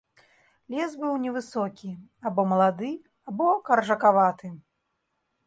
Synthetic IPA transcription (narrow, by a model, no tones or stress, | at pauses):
lʲɛsbɨwnʲɛvɨsɔkʲi | abɔmɐlˠad̪ɨ | abɔkɐrʐɐkavat̪ɨ